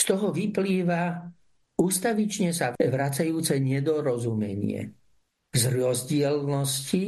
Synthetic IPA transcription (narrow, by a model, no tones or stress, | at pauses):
st̪ɔɦɔʋipliːʋa | uːst̪aʋit͡ʃɲɛsaʋɾat͡sajuːt͡sɛɲɛd̪ɔɾɔzumɛ̰ɲɪɛ̰ | zɾɔzɟɪɛlnɔsci